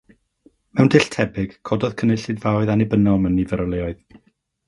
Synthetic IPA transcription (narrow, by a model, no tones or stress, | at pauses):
mɛwndɪɬtʰɛbɪɡ̥kʰɔdɔð̥kʰənəɬɨdvawɨðanɪbənɔlˠmənivəɾɔlˠeɔɨð